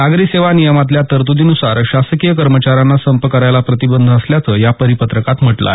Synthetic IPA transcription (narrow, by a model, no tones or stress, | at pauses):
aɡɾiseʋanijəmat̪̬ljat̪əɾt̪ud̪inusaɾɕasəkijəkəɾmət͡ɕaɾanːasəmpəkəɾajlapɾət̪ibənd̪ʱəsljat͡səːjapəɾipət̪ɾəkat̪m̤əʈla̰